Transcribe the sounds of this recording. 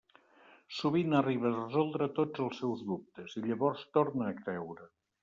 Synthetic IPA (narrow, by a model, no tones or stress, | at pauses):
suβinəriβərəzɔlˠd̪ɾət̪od͡zəlˠsːɛwzðup̚t̪əziʎəβɔɾst̪oɾnəːkɾɛwɾə